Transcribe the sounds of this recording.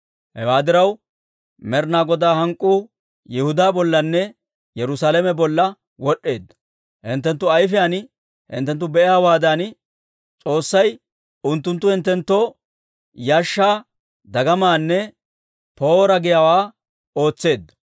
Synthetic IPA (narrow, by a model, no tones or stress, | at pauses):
hɛ̰waːd̪ɪɾɐw | mɛɾnaːɡɔd̪aːhɐŋkʼːuː | jɛhʊd̪aːbɔlːɐnːɛ | jɛɾʊsaːlɛmɛbɔlːɐ | wɔɗːe̞ːd̪ːɐ̥ | hɪnt̪ːɛnt̪ːʊɐjfɪjaːn | hɪ̰nt̪ːɛnt̪ːʊbɛɪjaːwaːd̪ɐn | t͡sʼo̞ːsːɐj | ʊnt̪ːʊnt̪ːʊhɪnt̪ːɛnt̪ːo | jaːʃːaː | d̪ɐɡɐmaːnːɛ | po̞ːɾɐɡɪjawaː | o̞ːt͡sːe̞ːd̪ːɐ̥